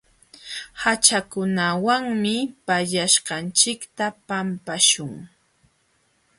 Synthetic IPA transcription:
hat͡ʃakʊnawaŋmɪpaʎaʃqɑnt͡ʃɪkt̪apampaʃʊŋ

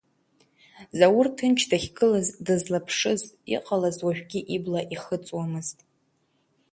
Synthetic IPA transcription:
zawʊrtʰɨnt͡ʃʰdaχʲɡɨlazdɨzlapʰʂɨzʼḭqʼalazwaʒᶣɡʲiʔiblaʔiχət͡sʼwamɨztʼ

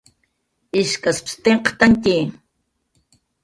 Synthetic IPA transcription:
iʃkaspst̪eɴqt̪aŋki

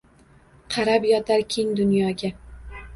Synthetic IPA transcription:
qʰɑɾabjɒt̪ʰaɾkʲʰeŋd̪ʊnjɒɡʲa

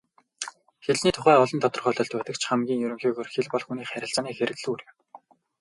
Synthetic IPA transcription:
xeɮniːt̪ʰʊχæːɔɮɞ̆nt̪ʰɔt̪ɞ̆rχɔɮɞ̆ːɮt̪̚pæːt̪ə̆kt͡ɕʰχæmɡʲiːŋjɵɾɵ̆ŋxiːɣoːrxeɮpɔɮxuniːχæɾʲɪ̆ɬt͡saːniːxeɾɘ̆kɮuɾɘ̆

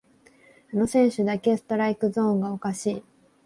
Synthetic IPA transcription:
ano̞sẽ̞ɰ̃ɕɨd̪ake̞sɨ̥t̪o̞ɾaikɯ̟zõ̞ːŋɡao̞kaɕiː

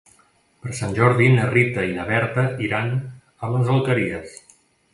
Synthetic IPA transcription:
pəɾsanʲʒɔɾðinərit̪əinəβɛɾt̪əiɾan | ələzəlˠkəɾiəs

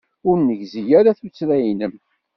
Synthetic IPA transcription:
ʊɾnəʝzijæɾaθut͡sːɾæjnəm

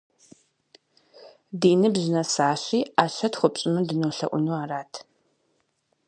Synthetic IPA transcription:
diːnɨbʑɪnɐsaːɕiːaːɕɐtχʷʊpʼɕʼɪmɨdɨnoːɬɐ̰ʔʷʊnuːaːraːtʰ

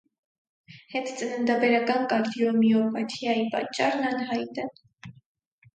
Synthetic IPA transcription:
hɛt̪ʰt͡sənənd̪ɑbɛɾɑkɑnkɑɾt̪iɔmiɔpɑt̪ʰiɑjipɑ̰t͡ʃːɑrnɑnɦɑjt̪ɛ

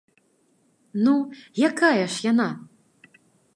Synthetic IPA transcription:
nujakajɐʂjana

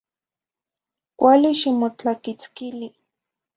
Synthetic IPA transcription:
kʷaliʃimot͡ɬakit͡skili

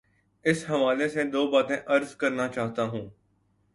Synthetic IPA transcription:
ɪsɦɐʋaːlesed̪oːbaːt̪ẽʔɐɾzkɐɾnat͡ʃaːɦt̪aɦũː

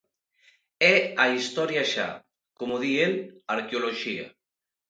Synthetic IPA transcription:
ɛaist̪ɔɾjaʃa̰ | komoðienaɾkeoloʒia̰

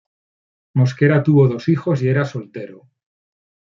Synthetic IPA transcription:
mo̞skeɾat̪uβoðo̞sixo̞s̬ie̞ɾaso̞lt̪e̞ɾo

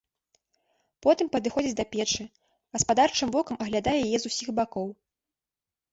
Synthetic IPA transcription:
pɔt̪ɨmpɐd̪ɨxɔd͡zʲit͡sʲd̪ɐpʲɛt͡ʂɨ | ɣɐspad̪art͡ʂɨmvɔkɐmɐɣlʲad̪ajɛjajɛzusʲiɣbakɔw

